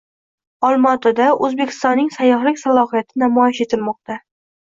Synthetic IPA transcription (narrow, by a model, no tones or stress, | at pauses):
ɒlˠmɒt̪ʰad̪aɵzbe̞kʲʰɪ̥st̪ɒnːɪŋsajːɒhlɪkʲsalˠɒhijat̪ʰɪnamɒjɪʃe̞t̪ʰɪlmɒq̚t̪ʰa